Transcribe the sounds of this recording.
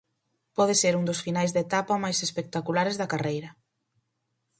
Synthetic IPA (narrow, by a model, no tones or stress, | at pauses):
pɔðɪseɾuŋd̪ʊsfinajzðet̪apɐmajsespek̚t̪akulaɾezðɐkarejɾɐ